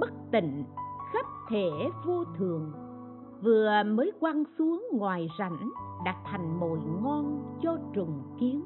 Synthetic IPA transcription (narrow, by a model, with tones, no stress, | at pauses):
ɓə˦˥k̚t̪ḭ˧˨ŋ̟xə˦˥p̚t̪ʰe˧˩vo˧t̪ʰɨ˨˩əŋ | vɨ˨˩əməː˨˦jkwa˧nsu˨˦əŋŋwaː˨˩jza̰˧˩˦jŋɗa˨˩t̚t̪ʰa˨˩jŋ̟mo̰˧˨jŋɔ˧nt͡ɕɔ˧t͡ɕʊ˨˩ŋ͡mki˨˦ən